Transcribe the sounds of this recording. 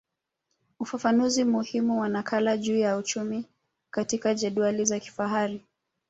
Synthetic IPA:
ufafanuzimuhimuwanakʰalaʄuːjaut͡ʃumi | katikaʄɛɗwalizaki̥faɦaɾi

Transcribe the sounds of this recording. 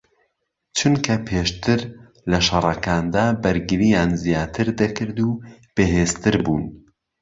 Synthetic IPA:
t͡ʃʰunkʰɐpʰeːʃt̪ʰɨɾ | lɐʃɑrˤɐkaːnd̪aːbɐɾɡɨɾijaːnzijaːt̪ʰɨɾd̪ɐkʰɨɾd̪uːb̥eɦeːzt̪ɨɾbṵːn

